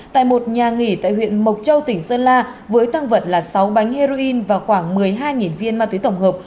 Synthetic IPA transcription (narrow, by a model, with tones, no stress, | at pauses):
t̪a̰ː˧˨jmo˨˩t̚ɲaː˨˩ŋi˧˩t̪a̰ː˧˨jɦwḭ˧˨ənmə˨˩wk͡p̚t̚t͡ɕə˧wt̪ï˧˩ŋ̟səː˧nlaː˧vəː˨˦jt̪a˧ŋvə˨˩t̚laː˨˩sa˨˦wɓa˨˦jŋ̟he˧ɾo˧ʔi˧nvaː˨˩xwaː˧˩ŋmɨ˨˩əjɦaː˧jŋi˨˩nvi˧ənmaː˧t̪wi˨˦t̪ə˧˩wŋ͡mhəː˨˩p̚